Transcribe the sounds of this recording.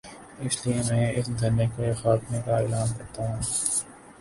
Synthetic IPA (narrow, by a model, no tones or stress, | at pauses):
ɪsliemɛ̃ːɪsd̪ʱɐnekexaːt̪mekaeːlaːnkɐːt̪aɦũː